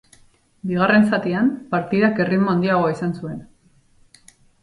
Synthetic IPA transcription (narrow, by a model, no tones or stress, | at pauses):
biɣ̞are̞nsat̪iampaɾt̪iðake̞rimoand̪iaɣ̞o̞isansue̞n